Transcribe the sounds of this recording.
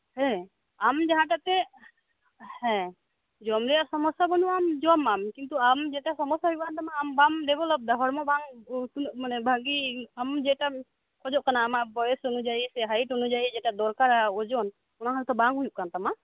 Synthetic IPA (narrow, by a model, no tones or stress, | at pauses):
hɛ̃ | amd͡ʒaɦãʈat̪ɛ | hɛ̃ | d͡ʒɔmɾɛjaɾsɔmɔsabɔnuamd͡ʒɔmamkint̪uamd͡ʒɛʈasɔmɔsaɦujuʔ̚kant̪amaːmbamɾɛbɔlɔp̚d̪aɦɔɾmɔbaŋt̪unʔmanɛbʱaɡiamd͡ʒɛʈa | kɔd͡ʒɔʔ̚kanaːmaʔbɔjɛsɔnud͡ʒaisɛɦaiʈɦɔnud͡ʒaid͡ʒɛʈad̪ɔɾkaɾaɔd͡ʒɔn | ɔnaɦaɾut̪ɔbaŋɦujuʔ̚kant̪ama